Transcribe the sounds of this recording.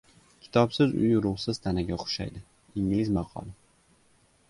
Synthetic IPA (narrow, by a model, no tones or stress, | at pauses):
kʲʰɪ̥t̪ʰɒpsɪzʊ̰jʊɾʊʁsɪz̥t̪ʰanaɡʲaqʰʊ̥ʃa̰jd̪ɪ | iŋlɪzmɑqʰɒ̰lˠɪ